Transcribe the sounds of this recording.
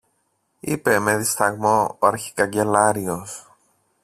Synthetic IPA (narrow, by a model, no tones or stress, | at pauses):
ipe̞me̞ðist̪ɐɣmo̞ːɐɾçi̥kɐɲɟe̞lɐɾio̞s